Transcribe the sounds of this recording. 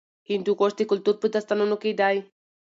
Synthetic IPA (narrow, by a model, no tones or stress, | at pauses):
int̪ukost̪ikult̪ut̪̚put̪ast̪anonokejd̪aj